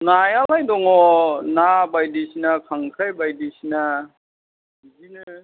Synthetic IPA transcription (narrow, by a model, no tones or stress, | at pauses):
najalajdɔŋɔnabajdisinakʰaŋkʰɾajbajdisina | zinɯ